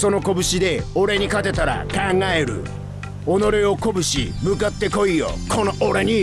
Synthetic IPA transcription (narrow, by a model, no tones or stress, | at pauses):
so̞no̞ko̞bɯ̟ɕid̪e̞o̞ɾe̞ɲ̟ikat̪e̞t̪aɾa̰kãŋɡae̞ɾɯ̟̰ | ono̞ɾeoko̞bɯ̟ɕḭmɯ̟kat̪ːe̞ko̞io̰kʰonoʔoɾe̞ɲ̟i